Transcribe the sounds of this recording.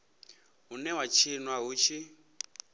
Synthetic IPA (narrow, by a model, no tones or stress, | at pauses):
ɦunɛwat͡ʃʰinwaɦut͡ʃʰi